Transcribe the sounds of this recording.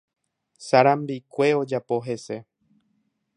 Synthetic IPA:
saɾãmbikʷe̞o̞d͡ʒapo̞ɦe̞se̞

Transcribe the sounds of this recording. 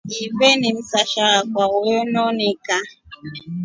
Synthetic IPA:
ivenɪm̩saʃaakʷawenɔnɪka

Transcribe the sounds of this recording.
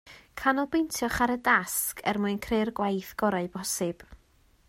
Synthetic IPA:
kʰanɔlˠbejntʰjɔχaɾədaskʰɛ̰rmuɨnkʰrerɡwajθɡ̥ɔɾaɨb̥ɔsɨb̥

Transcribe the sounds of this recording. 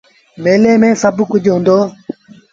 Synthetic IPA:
meːleːmẽːsəbkʊd͡ʒʱɦʊ̃ːnd̪oː

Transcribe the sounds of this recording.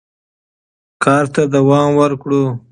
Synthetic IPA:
kɑːɾt̪ad̪awɑːmwəɾkɽo

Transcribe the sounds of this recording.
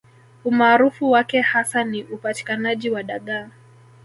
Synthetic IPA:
umaːɾufuwakɛhasaniʔupati̥kanaʄiwaɗaɠaː

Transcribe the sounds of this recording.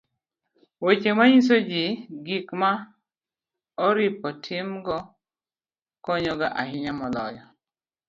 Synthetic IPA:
wet͡ʃemaɲis̬od͡ʒiɡikma | ɔɾipɔtʰɪmɡɔ | kɔɲɔɡaʔaɦɪɲamɔlɔjɔ

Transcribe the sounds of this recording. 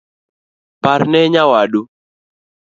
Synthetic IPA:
paɾnɛɲawaɗu

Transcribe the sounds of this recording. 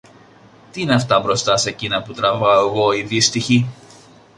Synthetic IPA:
t̪iineɐft̪ɐbɾo̞st̪ɐsecinɐput̪ɾɐvɐoɣo̞iðist̪içi

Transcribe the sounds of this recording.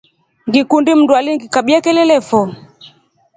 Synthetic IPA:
ŋɡikundim̩ndualiŋɡikaɓiakɛlɛlɛfɔ

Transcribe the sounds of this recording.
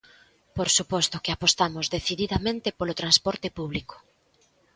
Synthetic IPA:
poɾsupɔst̪ʊkeapost̪amʊzðeθiðiðamẽnt̪ɪpolot̪ɾanspɔɾt̪ɪpuβliko̥

